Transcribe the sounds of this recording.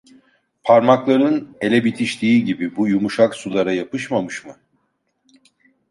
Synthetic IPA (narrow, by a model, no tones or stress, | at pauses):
pʰaɾmaklˠaɾɯne̞lʲɛbit̪ʰiʃlʲiːɟibibujumuʃaksulˠaɾajapɯʃmamɯʃmɯ